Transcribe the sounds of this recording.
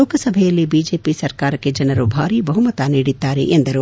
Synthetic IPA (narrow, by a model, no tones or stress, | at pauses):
oːkɐsɐbʱɛjɐlːibiːd͡ʒeːpisɐɾkaːɾɐkːe̞d͡ʒɐnɐɾubʱaːɾibɐɦumɐt̪aniːɽit̪ːaːɾḛʔend̪ɐɾu